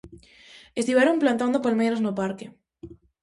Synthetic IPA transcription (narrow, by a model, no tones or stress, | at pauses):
est̪iβaɾomplant̪and̪opalmejɾaznopaɾke